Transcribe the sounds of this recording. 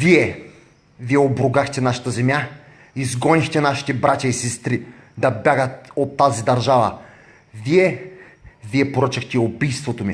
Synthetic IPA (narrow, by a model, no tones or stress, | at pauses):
viɛ | viɛobɾʊɡaxt̪ɛnaʃɐ̥t̪əzɛmja | izɡɔnixt̪ɛnaʃi̥t̪ɛbɾat̪ʲaisɛst̪ɾi | d̪ɐbjaɡət̪ot̪ːazid̪ɐɾʒavə̰ | viɛ | viɛpoɾət͡ʃɐxt̪ɛiobijst̪vot̪omi